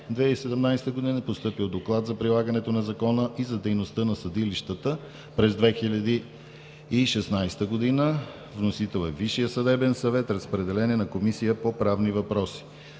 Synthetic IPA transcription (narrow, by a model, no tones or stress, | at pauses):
d̪vɛisɛd̪ɛmnajst̪əɡod̪inəpost̪ɤpilˠd̪oklˠat̪zɐpɾilˠaɡɐnɛt̪onɐzɐkɔnəʔizɐd̪ɛjnost̪ənɐsɐd̪iliʃt̪ət̪ə | pɾɛzd̪vɛxilʲɐd̪iː | ʃɛsnajst̪əɡod̪inə | vnosit̪ɛlˠɛviʃijəsəd̪ɛbɛnsɐvɛt̪ɾɐspɾɛd̪ɛlɛniɛnɐkomisijəpopɾavnivɐpɾɔsi̥